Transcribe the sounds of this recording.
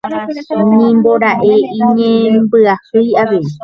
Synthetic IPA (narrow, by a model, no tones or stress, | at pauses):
nĩmboɾaʔeĩɲẽmbɨahɨjaʋe̞i